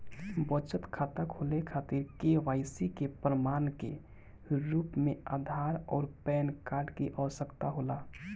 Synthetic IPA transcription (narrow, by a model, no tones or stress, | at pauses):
bət͡ʃət̪kʰaːt̪əkʰolekʰaːt̪iɾkeʋaːɪsikepɾəmaːnkḛ | ɾuːpmẽad̪ʱaːɾɔːɾpɛːnkaːɾɖkiʔəʋsəkt̪aɦoːla